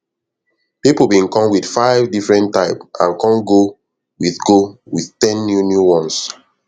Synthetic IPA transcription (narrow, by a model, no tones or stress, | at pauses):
pipl̩ˠbĩnkɔ̃mwiθfaɪvdifɹɛ̃ntːaɪpʔã̰nkɔ̃nɡo | wiθɡowiθtɛ̃nːjunjuwɔ̃ns